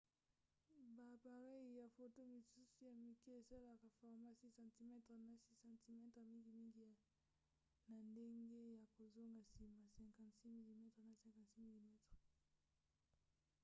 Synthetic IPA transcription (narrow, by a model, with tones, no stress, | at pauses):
ba˨pa˨ʁe˦i˨ja˨fo˨to˦mi˨su˦su˦ja˨mi˨ki˦e˨sa˦la˨ka˨fɔ˨ʁma˦˨si˦sã˨ti˨mɛ˦tʁe˨na˨si˦sã˨nti˨mɛ˦tʁe˨mi˦ŋɡi˨mi˦ŋɡi˦˨ | na˨nde˦ŋɡe˦ja˨ko˨zo˦ŋɡa˨si˨ma˨sɛ̃˨ŋkã˨nsi˦mi˨li˨mɛ˦tχe˨na˨sɛ̃˨ŋkã˨si˦mi˨li˨mɛ˦tʁe˨